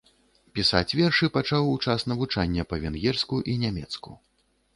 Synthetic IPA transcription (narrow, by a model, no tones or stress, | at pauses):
pʲisa̰t͡sʲvʲɛrʂɨpat͡ʂawut͡ʂasnɐvut͡ʂanʲːɐpɐvʲɛnɣʲɛrskuʔinʲamʲɛt̪sku